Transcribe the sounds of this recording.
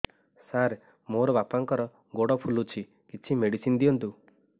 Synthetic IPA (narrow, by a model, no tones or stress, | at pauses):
saɾ | moɾɔbapaŋkɔɾɔ | ɡoɽɔpʰulut͡ʃʰi | kit͡ʃʰimeɽisind̪iɔnt̪u